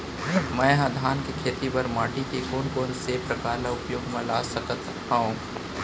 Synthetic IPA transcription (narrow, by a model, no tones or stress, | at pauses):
mɛ̃ːɦãd̪ʱaːnkekʰeːt̪ipɐɾmaːʈikekoːnkoːnsepɾɐkaːɾlaʊpjoːɡmãlaːsəkət̪ | ɦaũ